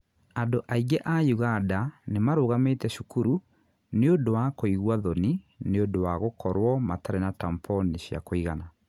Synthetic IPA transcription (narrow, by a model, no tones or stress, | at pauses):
adoʔaiɡɛʔajuɣadanemaɾoːɣametɛʃukuɾu | neodowakoiɣwaðɔni | neondowaɣokʰɔɾwɔmataɾenatampʰɔneɕja̰koiɣana